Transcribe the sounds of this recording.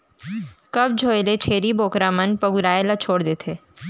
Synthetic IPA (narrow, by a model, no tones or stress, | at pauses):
kɐb̚d͡ʒʱoːelet͡ʃʰeːɾiboːkɾamənpəɡuɾaːelat͡ʃʰoːɽd̪eːt̪ʰeː